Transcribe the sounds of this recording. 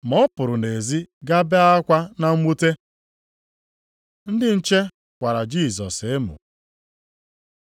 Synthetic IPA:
mɔ˦pʊ˨ɾʊ˨ne˨zi˦ɡa˦be˦a˦kʷa˦na˦m̩˦mu˦te˦ | n̩˦dɪ˦n̩˦t͡ʃe˦ | kʷa˨ɾa˨d͡ʒi˦˨zɔ˨se˦mʊ̰˨

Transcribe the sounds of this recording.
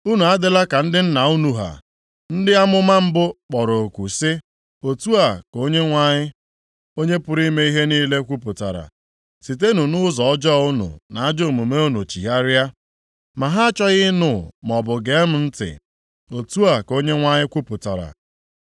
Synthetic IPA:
u˦nu˨a˦dɪ˦la˦ka˨n̩˦dɪ˦n̩˦na˨u˦nu˨ɦa̰˨ | n̩˦dɪ˦a˦mʊ˦ma˦m̩˦bʊ˦k͡pɔ˨ɾo˨o˨kʷu˨sɪ˦ | o˨tu˦a˨ko˦ɲe˦ŋʷa˦ɲɪ˦ | o˦ɲe˦pʊ˦ɾi˦me˦i˦ɦe˦niː˦le˦kʷu˦pʊ˨ta̰˨ɾa̰˨ | si˨t̬e˦nu˨nʊ˦zɔ˨ɔ˦d͡ʒɔ˦˨˦ʊ˦nṵ˨na˨a˦d͡ʒo˦˨mu˨me˦u˦nu˨t͡ʃi˨ɦa˦ɾja˦ | ma˨ɦa˦a˦t͡ʃɔ˦ɣɪ˦nʊ˦˨m˨ɔ˨bʊ˨ɡe˨˦m̩˦n̩˦tɪ̰˨ | o˨tu˦a˨ko˦ɲe˦ŋʷa˦ɲɪ˦kʷu˦pʊ˨ta˨ɾa̰˨

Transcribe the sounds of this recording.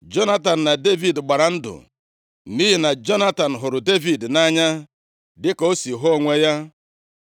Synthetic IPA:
d͡ʒo˦na˦ta˨n̩˨na˨de˦vi˨dɡ͡ba˨ɾa˨n̩˦dʊ̰˨ | mi˦ɦi˨na˨d͡ʒo˦na˦ta˨n̩˨ɦʊ˨ɾʊ˨de˦vi˨dna˦ɲa˦ | dɪ˦ko˦si˨ɦo˦˨ŋʷe˦ja˦

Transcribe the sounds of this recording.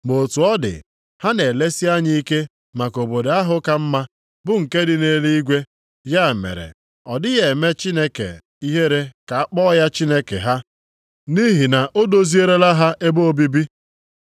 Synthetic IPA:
mo˨tu˨ɔ˦dɪ̰˨ | ha˦ne˨le˦si˦a˦ɲɪ˦i˦ke˦ | ma˨ko˨bo˨da˦ɦʊ˦ka˦m̩˦ma˦ | bʊ˦ŋ̩˨ke˦dɪ˦ne˦li˦i˦ɡʷe˦ | ja˦˨mḛ˨ɾḛ˨ | ɔ˨dɪ˦ɣe˨me˦t͡ʃi˦ne˦kḛ˨ | i˦ɦe˦ɾe˦ka˨a˦k͡pɔ˦ja˦t͡ʃi˦ne˦kḛ˨ɦa˦ | ni˦ɦi˨na˨ʔo˦do˦zi˦e˦ɾe˦la˦ɦa˦ʔe˦bo˦o˦bi˦bi˦

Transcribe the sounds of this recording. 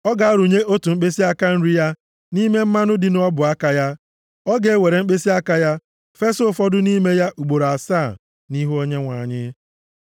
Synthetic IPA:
ɔ˦ɡa˨a˦ɾu˨ɲe˦ʔo˦tu˨ŋ͡m̩˦k͡pe˦si˦a˦ka˦n̩˦ɾi˦ja˦ | ni˦me˦m̩˦ma˦nʊ˦dɪ˨n˦ɔ˦bʊ˨a˦ka˨ja˦ | ɔ˦ɡe˨˦we˨ɾe˨ŋ͡m̩˦k͡pe˦si˦a˦ka˦ja˦ | fe˦so˦˨fɔ˦dʊ˦ni˦me˦ja˦ʔu˨ɡ͡bo˨ɾa˨saː˦˨ | ni˦ɦu˦o˦ɲe˦ŋʷa˨ɲɪ˦

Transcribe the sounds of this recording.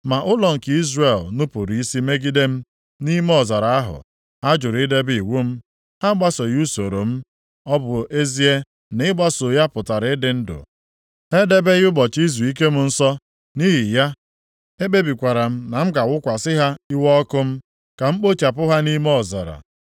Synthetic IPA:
ma˨ʔʊ˦lɔ˨ŋ̩˨ki˦zre˨lnʊ˦pʊ˨ɾi˨˦i˦si˦me˦ɡi˦de˦m̩˦ | ni˦me˦ɔ˨za˨ɾa˨a˦ɦʊ̰˨ | a˦d͡ʒʊ˨ɾi˦de˦bi˨wu˦m̩˦ | ha˦ɡ͡ba˦so˨ju˦so˨ɾo˨m̩˦ | ɔ˦bʊ˨e˦zi˦e˦ | nɪ˦ɡ͡ba˦so˨ja˦pʊ˨ta˨ɾɪ˦ɪ˦dɪ˨n̩˦dʊ̰˨ | e˦de˦be˦jʊ˦bɔ˨t͡ʃi˦z̬u˨i˦k̬e˦m̩˦n̩˦sɔ˦ | ni˦ɦi˨ja˦ | e˦be˦bi˨kʷa˨ɾa˨m̩˦na˨m̩˦ɡa˨wʊ˦kʷa˨sɪ˦ɦa˦i˦wɔ˦kʊ˦m̩˦ | ka˨m̩˦k͡po˦t͡ʃa˨pʊ˦ɦa˦ni˦me˦ɔ˨za̰˨ɾa̰˨

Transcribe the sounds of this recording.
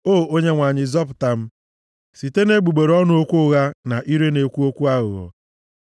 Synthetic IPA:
oː˦˨o˦ɲe˦ŋʷa˨ɲɪ˨zɔ˦p̬ʊ˨ta˨m̩˦ | si˨te˦ne˦ɡ͡bu˨ɡ͡be˨ɾɔ˦nʊ˦o˦kʷʊ˦ɣa˦na˨ʔi˦ɾe˦ne˨kʷu˦o˦kʷu˦a˦ɣʊ̰˨ɣɔ̰˨

